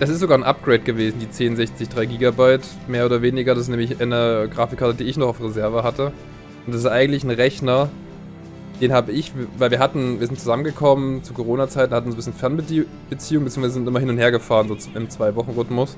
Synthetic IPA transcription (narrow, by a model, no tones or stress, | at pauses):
d̥as̬ɪstz̥oɡaːɐnʔa̰p̚ɡ̥ʁeɪt̚ɡ̥əveːzn̩diːt͡seːnzɛçt͡sɪçd̥ʁaɪɡiːɡabaɪt | meːɐoːdɐveːnɪɡɐɾasɪsnɛːmlɪçʔaɪnəɡʁaːfɪkʰːaɐtədiːɪçnɔχaʊfʁezɛɐvəɦatə | ʔʊntd̥as̬ɪstʔaɪɡŋ̩tlɪçn̩ʁɛçnɐ | d̥eːnhaːbəɪçvvaɪlviːɐɦatn̩viːɐzɪnt̚t͡suzamənɡəkʰɔmənt͡sukʰoʁoːnat͡saɪtn̩hatn̩zobɪsçnfɛɐnbə | b̥ət͡siːʊŋmbət͡siːŋvaɪzəzɪntʔɪmɐhɪnʊnt̚ɦeːɐɡəfaːʁənzoːʔɪmt͡sv̥aɪvɔχn̩ʁʏtmʊs